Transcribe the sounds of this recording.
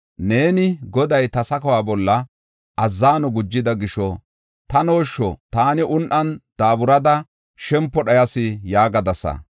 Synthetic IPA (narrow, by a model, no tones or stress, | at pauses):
ne̞ːnɪɡɔd̪ɐjt̪ɐsɐkɐwaːbɔlːɐ | ʔɐzːaːnɔɡʊd͡ʒːɪd̪ɐɡɪʃɔ | t̪ɐno̞ːʃːɔt̪aːnɪʔʊnʔɐnd̪̥aːbʊɾɐd̪ɐ | ʃɛmpːɔɗɐjɐsɪjaːɡɐd̪ɐsɐ̰